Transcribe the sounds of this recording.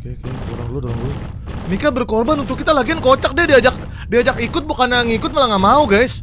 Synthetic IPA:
kakadoɾa̰ŋlodoɾaŋlo | mikabərkorbanunt̪ʊkːit̪alaɡiankot͡ʃak̚diadiad͡ʒak̚ | diad͡ʒakikʊt̪̚bukanaŋikʊt̪̚malaŋamauɡajs

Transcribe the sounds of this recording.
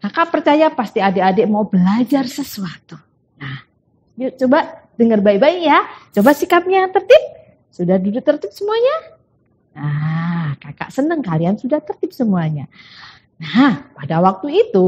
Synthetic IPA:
kakaʔpərt͡ʃajapast̪iadeʔadeʔmaubəlad͡ʒarsəsuat̪u | nah | d͡ʒut͡ʃobaʔd̥əŋərbaik̚baiʔjat͡ʃobasikap̚ɲat̪ərt̪ɪp̚ | sudahdudʊk̚t̪ərt̪ɪp̚səmuaɲa | nakaka̰ʔsənəŋkaliansudaht̪ərt̪ɪp̚səmuaɲa | napadawak̚t̪uit̪u

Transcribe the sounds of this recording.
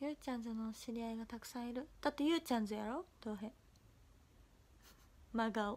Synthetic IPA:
jɯt͡ɕãnzɨno̞ɕiɾʲiaiɡat̪akɯ̟̥sãɰ̃iɾɯ̟d̪̥at̪ːe̞jɯːt͡ɕãnzɨjaɾoːd̪̥oːɦẽ | maɡa

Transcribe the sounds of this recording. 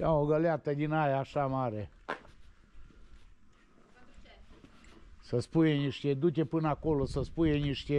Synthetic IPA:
jaoɡəleat̪əd̪ʲinajaːʃamaɾe | səspujenʲiʃt̪ʲed̪ut̪ʲepɨnakolosəspujenʲiʃt̪ʲe

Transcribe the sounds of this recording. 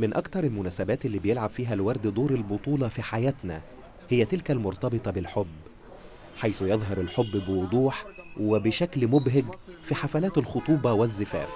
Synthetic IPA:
mɪnʔɑ̰kt̪ɑɾˤɪlmʊnæːsæbæːt̪ʔelːiːbejelʕabfiːɦælwɑɾˤd̪d̪ˤuːɾelbot̪ˤuːlɑfiːħajæːt̪næ̰ | hɪjːæt̪ɪlkælmʊɾt̪ɑbɨt̪ˤɑbɪlħobː | ħajθʊjɑðˤɦɑɾˤɪlħobːbɪwʊd̪ˤuːħwɪbɪʃæklmʊbɦɪɡfiħafælæːt̪ælxot̪ˤuːbɑwɪzːɪfæ̰ːf

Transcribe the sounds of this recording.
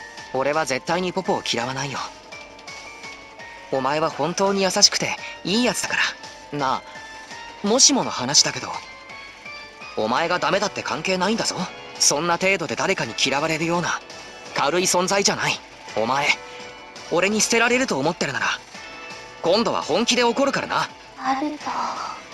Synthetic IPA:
o̞ɾe̞βaze̞t̪ːaiɲ̟ipo̞po̞ːkʲʰiɾaβanaijo | o̞mae̞βahõ̞nt̪o̞ːɲ̟ijasaɕi̥kɯ̟̥t̪e̞iːjat͡sɨ̥d̪akaɾa | na | mo̞ɕimo̞no̞hanaɕi̥d̪ake̞d̪o̞̰ | omae̞ɡad̪ame̞d̪at̪ːe̞kʰãŋke̞ːnaĩnd̪azo̞ | sõ̞nːat̪e̞ːd̪o̞d̪e̞d̪aɾe̞kaɲ̟ikʲiɾaβaɾe̞ɾɯ̟jo̞ːna | kʰaɾɯ̟isõ̞nd͡zaiʑanai | o̞̰mae̞ | o̞ɾe̞ɲ̟isɨ̥t̪e̞ɾaɾe̞ɾɯ̟t̪o̞ːmo̞t̪ːeɾɯ̟na̰ɾa̰ | kõ̞nd̪o̞βa̰hõ̞ŋkʲid̪e̞o̞ko̞ɾɯ̟kaɾa̰na̰

